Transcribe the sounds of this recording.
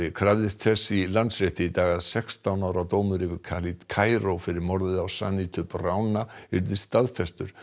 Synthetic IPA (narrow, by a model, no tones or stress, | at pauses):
ɪkʰɾavðɪst̪θɛsːilant̪sɾɪht̪ɪit̪aːɣaðsɛkst̪awnawɾat̪oːwmʏɾɪvɪɾkʰalit̪kʰaːjɾowfɪɾɪɾmɔɾðɪðawsa̰nit̪ʰʏprawnaɪɾðɪst̪aðfɛst̪ʏɾ̥